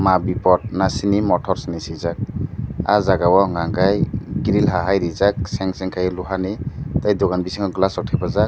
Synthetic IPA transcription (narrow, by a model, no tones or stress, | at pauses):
mabipɔt̚nasinimɔtʰɔɾsinisijzak̚a̰zaɡawɔŋaŋɡajɡiɾilɦaɦajɾizak̚sɛŋsɛŋkʰajluɦanitajdɔɡanbisiŋaɡlasɔk̚ʰajbazak̚